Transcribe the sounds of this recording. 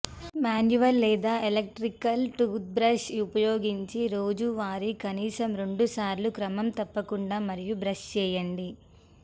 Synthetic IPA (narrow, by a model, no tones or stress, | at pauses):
maːnjuʋɐlːɛːd̪aːʔelɐk̚ʈɾikɐlʈuːt̪̚bɾɐʃupɐjoːɡiɲt͡ʃiɾo̞ːd͡ʒuʋaːɾikɐniːsɐmɾe̞ɳɖusaːɾlukɾɐmɐmt̪ɐpːɐkuɳɖaːmɐɾijubɾɐʂt͡ʃɛːjɐɳɖi